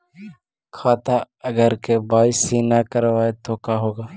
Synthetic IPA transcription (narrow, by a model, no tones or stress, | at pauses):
kʰaːt̪a | ɐɡəɾkebaːɪsiːnakɐɾʋaːet̪okaɦoːɡaː